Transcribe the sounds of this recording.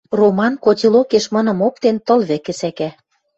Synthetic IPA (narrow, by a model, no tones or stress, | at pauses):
romɑnkot̪ʲilokeʃmɤ̆nɤ̆mok̚t̪ent̪ɤ̆lβɘ̆kɘ̆sækæ